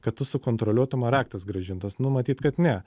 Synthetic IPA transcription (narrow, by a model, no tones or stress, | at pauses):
kɐt̪t̪ʊsʊkoːnt̪ɾolʲuɔt̪ɐmɐɾɑːk̚t̪ɐsɡɾɐʒʲɪnt̪ɐsnʊmɐt̪ʲiːt̪kɐt̪nʲɛ